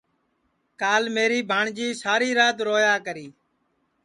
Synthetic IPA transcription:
kaːlmeːɾiːbʱaːɳd͡ʒiːsaːɾiːɾaːt̪ɾoːjaːkəɾiː

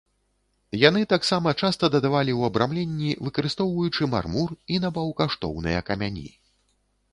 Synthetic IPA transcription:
janɨt̪aksamɐt͡ʂast̪ɐd̪ɐd̪avalʲiwɐbɾamlʲenʲːivɨkɐɾɨst̪ɔwvɐjut͡ʂɨma̰rmurinɐbɐwkaʂt̪ɔ̰wnɨ̰jɐ̰kɐmʲanʲḭ

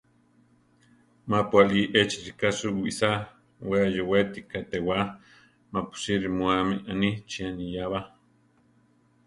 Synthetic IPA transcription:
mapualiʔet͡ʃiɾikasuwḭsa | weajowet̪ikat̪ewa | mapu̥siɾimuameʔanit͡ʃianijaβa

